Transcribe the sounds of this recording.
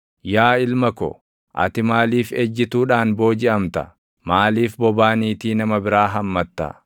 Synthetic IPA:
jaːɪlmɐkɔ̰ | ʔɐ̰t̪ɪmaːliːfɛd͡ʒːɪt̪uːᶑaːnbo̞ːd͡ʒɪʔɐmt̪ɐ̰ | maːliːfbɔbaːniːt̪iːnɐmɐbɪɾaːɦɐmːɐt̪ːɐ̰

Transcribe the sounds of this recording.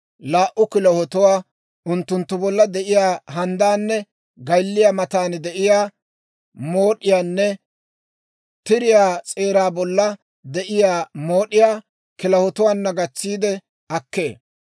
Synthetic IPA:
laːʔʊkɪlɐhɔt̪ʊwaː | ʊnt̪ːʊnt̪ːʊbɔlːɐd̪ɛʔɪjaːɦɐnd̪aːnːɛ | ɡɐjlːɪjaːmɐt̪aːnd̪ɛʔɪjaː | mo̞ːɗɪjaːnːɛ | t̪ɪɾɪjaːt͡sʼeːɾaːbɔlːɐ | d̪ɛʔɪjaːmo̞ːɗɪjaː | kɪlɐhɔt̪ʊwaːnːɐɡɐt͡sːiːd̪ɛ | ɐkːe̞̰ː

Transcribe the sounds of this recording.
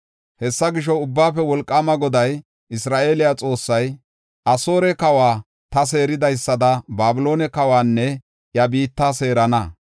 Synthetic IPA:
hɛsːɐɡɪʃ̬ɔʊbːaːfɛwɔlkʼːamɐɡɔd̪ɐj | ɪsɾaːʔe̞ːlɪjat͡sʼo̞ːsːɐj | ʔɐso̞ːɾɛkɐwaː | t̪ɐs̬e̞ːɾɪd̪ɐjsːɐd̪ɐbaːbɪlo̞ːnɛkɐwaːnːɛ | jɐbiːt̪ːaːse̞ːɾɐnɐ

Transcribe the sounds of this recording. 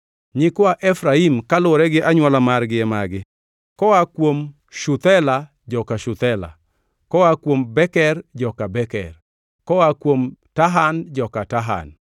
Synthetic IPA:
ɲɪkwaʔɛfɾaimkalʊɾɛɡɪʔaɲwalamarɡɪɛmaɡɪ | kɔwakwom | ʃut̪ɛla | d͡ʒɔkaʃʊt̪ɛla̰ | kɔwakwombɛkɛrd͡ʒɔkabɛkɛ̰r | kɔwakwomtaɦand͡ʒɔkataɦa̰n

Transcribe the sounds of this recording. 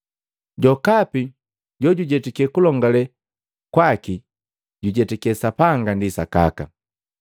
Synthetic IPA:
ɟɔkapi | ɟɔɟuɟɛtikɛkulɔŋɡalɛ | kwaki | ɟuɟɛtɛkɛsapaŋɡandisaka̰ka

